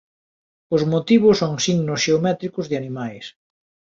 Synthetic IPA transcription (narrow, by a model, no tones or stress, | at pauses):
ʊzmot̪iβ̞ʊsoŋsiŋnosʃeomɛt̪ɾikʊzðɪanimajs